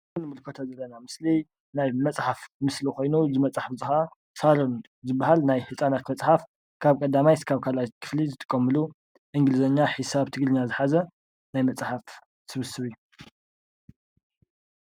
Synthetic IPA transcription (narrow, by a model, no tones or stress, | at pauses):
nmɨlkʰot̪ʰɐzɐlːɐnamɨsli | najmɐt͡sʼħafmɨslixo̞jnuzɨmɐt͡sʼaħfzɨxa | saɾun | zɨbːahalnajhɨt͡sʼanat̪mɐt͡sʼħaf | kʰaβkʼɐd̪amajskʰaβkʰalajt̪kʰɨ̥flizɨt̪ʰʼɨ̥kʼːɐmːɨlu | ʔɨŋɡɨlɨzɐɲːaħisaβt̪ʰɨɡɾɨɲːazɨħazɐ | najmɐt͡sʼħaf | sɨβɨsɨβiju